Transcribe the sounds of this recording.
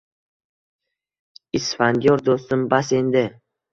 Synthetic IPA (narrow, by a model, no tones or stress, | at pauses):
isfand̪jɒɾd̪ost̪ɪmbase̞nd̪ɪ